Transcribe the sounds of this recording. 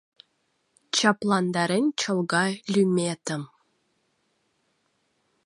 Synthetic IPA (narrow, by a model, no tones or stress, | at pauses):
t͡ɕɑplˠɑnd̪ɑɾenʲt͡ɕɤ̆lˠɡɑlʲymʲet̪ə̆m